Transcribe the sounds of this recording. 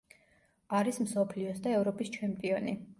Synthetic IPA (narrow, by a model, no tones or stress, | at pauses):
aɾismsɔpʰliɔsd̪aɛvɾɔpʼist͡ʃʰɛmpʼiɔni